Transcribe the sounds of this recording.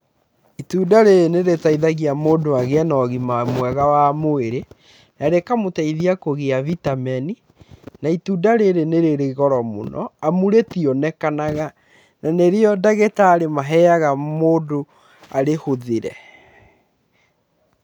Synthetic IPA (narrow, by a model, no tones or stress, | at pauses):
ituːdaɾeɾeneɾetaiðaɣiamoːdoaɣeanɔɣimamwɛɣawamoeɾe | naɾekamotaiðiakoɣeavitamɛni | naituːdaɾeɾeneɾeɾeɣɔɾɔmo̰nɔ̰amuɾetiɔnɛkanaɣa | naneɾeɔdaɣetaːɾemaɦɛaɣamoːdo | aɾehoðeɾɛ